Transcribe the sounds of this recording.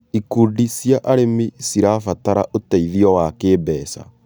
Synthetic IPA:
ikudisjaʔaɾemisiɾafataɾaʔotaiðiɔwakeːbɛːsa̰

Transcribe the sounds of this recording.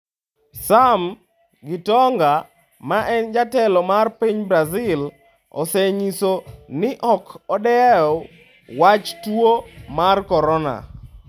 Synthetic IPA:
sam | ɡɪtɔŋɡa | maʔɛnd͡ʒatɛlɔmarpiɲbɾazɪl | ɔ̰seɲisonɪʔɔkɔdɛaɔ | wat͡ʃtwomarkɔɾɔna̰

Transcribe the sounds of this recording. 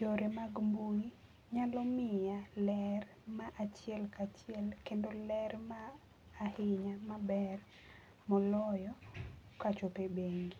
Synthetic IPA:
t͡ʃoɾemaɡmbui | ɲalɔmɪjalɛr | maʔat͡ʃjɛlkat͡ʃjɛlkendolɛrmaː | hɪɲamabɛr | mɔlɔjɔkat͡ʃopebeŋɡi

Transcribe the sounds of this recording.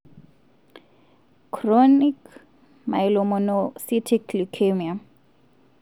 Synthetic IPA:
kʰronik | ma̰ilɔmɔnɔsitʰiklukʰemia

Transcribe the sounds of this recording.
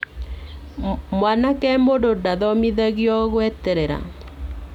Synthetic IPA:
mwanakɛmododaðɔmiðaɣjɔɣwɛtɛɾeɾa̰

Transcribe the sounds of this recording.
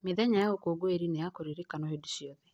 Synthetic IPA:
meðɛɲajaokoɡoeɾinejakoɾiɾikanohedusiɔðɛ

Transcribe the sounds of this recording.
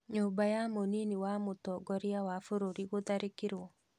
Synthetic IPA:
ɲuːmbajamoniniwamotɔɡɔɾiawafoɾoɾiɣoðaɾekiɾwɔ

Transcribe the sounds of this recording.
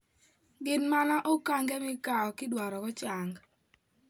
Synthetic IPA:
ɡɪnmanaʔokaŋɡɛmɪkaɔkɪdwaɾɔkɔt͡ʃaŋɡ

